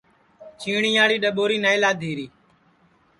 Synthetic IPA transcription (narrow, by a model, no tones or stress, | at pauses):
t͡ʃiːɳiːaːɽiːɗəɓoːɾiːnaːɪlaːd̪ʱiːɾiː